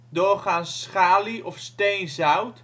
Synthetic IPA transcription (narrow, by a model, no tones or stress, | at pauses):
doːχaːnssχaːliʔɔfstejnzawt